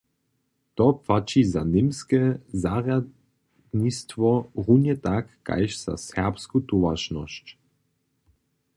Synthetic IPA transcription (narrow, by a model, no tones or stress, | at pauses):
t̪ɔpfat͡ʃizanɪmskɛzaʁja | d̪nist̪vɔʁunjɛt̪akːa̰jʃz̥a̰sɛʁpskut̪uvaʃnɔ̰ʃt͡ʃ